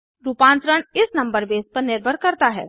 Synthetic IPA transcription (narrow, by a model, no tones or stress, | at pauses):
ɾuːpãːnt̪ɾəɳ̃ɪsnɐ̃mbəɾbeːspəɾnɪɾbʱəɾkəɾt̪aɦɛ̰ː